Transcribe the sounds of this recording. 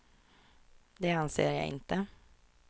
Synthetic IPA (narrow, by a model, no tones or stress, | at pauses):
d̪ɛːɑnsḛːɾjæɪɪ̰nt̪ə